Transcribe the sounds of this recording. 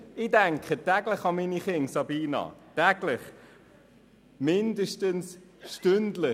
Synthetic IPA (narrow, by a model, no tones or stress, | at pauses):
ɪdæŋkχətæɡləχɑminiχɪŋsɑbiːnɑ̰tæɡlɪχ | mɪndəʃtəns | ʃtʏndlɪ